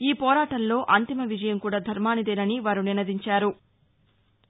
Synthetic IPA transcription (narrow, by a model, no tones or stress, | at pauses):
iːpɔːɾaːʈɐnlo̞ːʔɐnt̪imɐʋid͡ʒɐjɐmkuːɽaːd̪ʱɐɾmaːnid̪eːnɐniʋaːɾuninɐd̪iɲt͡ʃaːɾu